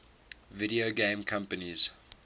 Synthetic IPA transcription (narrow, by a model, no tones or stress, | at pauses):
viɾioɡẽmkʰãmpəniz̥